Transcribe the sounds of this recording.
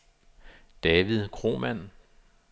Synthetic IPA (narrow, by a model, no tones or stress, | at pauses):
d̥ɛːʋiðˠkʰʁo̝̰ːmæn̰